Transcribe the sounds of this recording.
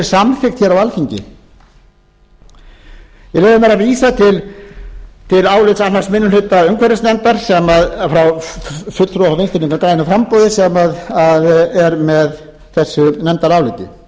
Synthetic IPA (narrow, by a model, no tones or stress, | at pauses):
ɾ̥samfɪxt̪çɛɾawalfiɲcɪ̰ | vɪleːðʏmɛɾaðviːsat̪ʰɪl | t̪ʰɪlaːwlɪt̪sanːaɾsmɪnːʏlʏt̪ːaœŋkʰvɛɾɪsnɛnt̪aɾ̥sɛmaðfɾawfʏt̪ɾɔhavejnst̪ɪniŋkakɾaːjðɪnafɾampɔːwðɪsɛmaðaðɛɾmɛð | θɛsːʏnɛnt̪aɾawlɪt̪ʏ̰